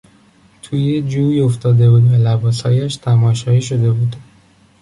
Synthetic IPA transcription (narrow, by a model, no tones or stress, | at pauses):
t̪ʰuːjed͡ʒuːjo̞ft̪ɒːd̪e̞buːd̪vælæbɒːshɒ̰ːjæʃt̪ʰæmɒːʃɒːiːʃo̞d̪e̞buːd̪